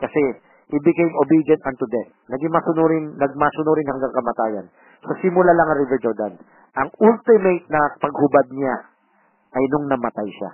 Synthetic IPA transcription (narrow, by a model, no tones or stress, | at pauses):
kɐsɛ | ʔɪbɪkejmobid͡ʒɐnt̪ɐnt̪ʊd̪ɛt̪̚nɐɡɪŋmɐsʊnuɾɪnnɐɡ̚masʊnuɾɪnhɐŋɡaŋkɐmɐt̪aːjɐ̰n | sɐsɪmʊlalɐŋɐɾivɛɾd͡ʒoɹd̪a̰n | ʔɐŋʔult̪ɪmejt̪̚nɐpɐɡhʊbad̪̚ɲɪa | ʔɐjnoŋnɐmɐt̪ajʃa̰